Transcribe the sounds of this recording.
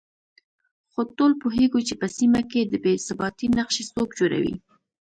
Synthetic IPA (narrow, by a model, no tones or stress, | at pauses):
xot̪olpoɦeɡut͡ʃepəsimaked̪əbesabɑt̪inaqʃesokd͡ʒoɾa̰wḭ